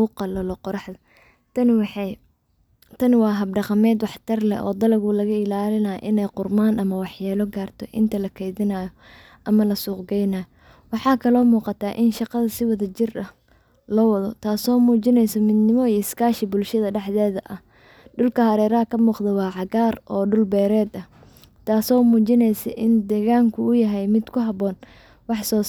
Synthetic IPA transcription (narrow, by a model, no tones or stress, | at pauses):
uqɑlɐlɔqɔɾɑħdɐ | t̪ʰɐnwɑːɦɐb̚ɖɑqɑmɛːd̪wɑħt̪ʰɐrlɛ̰ʔɔ̰ːd̪ɐlɐɣʊlɐɣɐɪlaːlɪnɐj̰ʔɪnɛjqʊrmaːnʔɐmɐwɑħjaːlɔɡaːrt̪ʰɔʔɪ̰nt̪ʰɐlɐkʰɛjðɪnaːjɔ | ʔɐmɐlɐsuːqɡɛjnaːjɔ | wɑħɑːkʰɐlɔːmuːqɑt̪ʰaːʔɪnʃɑqɑðɐsɪwɑðɐt͡ʃɪrʔɐ | lɔwɐðɔt̪ʰaːsɔːmuːt͡ʃɪnɛjsɐmɪd̪nɪmɔijɪskaːʃɪbʊlʃɐðɐɖɛħðɛːðɐʔɐh | ɖʊlkʰɐhɐɾɛːɾɐɦɐkʰɐmuːqd̪ɐwɑːʕɑɣaːrʔɔːɖʊlbɛːɾɛːd̪ɐh | t̪ʰaːsɔːmuːt͡ʃɪnɛjsɐʔɪnd̪ɛːɣaːŋkʰʊːjɐɦɛjmɪd̪kʰʊɦɑβɔːn | wɑħsɔː